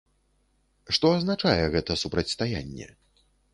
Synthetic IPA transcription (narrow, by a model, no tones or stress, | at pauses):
ʂt̪ɔaznat͡ʂajɛɣɛt̪ɐsupɾɐt͡sʲst̪aja̰nʲːɛ̰